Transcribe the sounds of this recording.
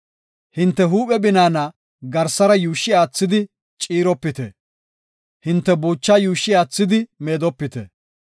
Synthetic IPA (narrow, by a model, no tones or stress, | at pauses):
hɪnt̪ːɛɦuːpʼɛbɪnaːnɐ | ɡɐɾsɐɾɐjuːʃːɪaːt͡sːɪd̪ɪ | t͡ʃʼiːɾɔpːɪt̪ɛ̰ | hɪnt̪ːɛbuːt͡ʃːajuːʃːɪaːt͡sːɪd̪ɪmeːd̪ɔpːɪt̪ɛ̰